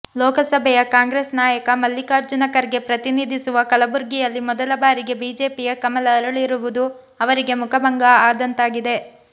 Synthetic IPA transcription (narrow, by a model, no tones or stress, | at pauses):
loːkɐlsɐbʱɛjɐkaːŋɡɾeːsnaːjɐkɐmɐlːikaːɾd͡ʒunɐkɐɾɡe̞pɾɐt̪inid̪ʱisuʋɐkɐlɐbuɾɡijɐlːimɔd̪ɐlɐbaːɾiɡe̞biːd͡ʒe̞ːpijɐkɐmɐlɐːɾuɭiɾuʋud̪u | ɐʋɐɾiɡe̞mukʰɐbɐŋɡaaːd̪ɐnt̪aːɡid̪e̞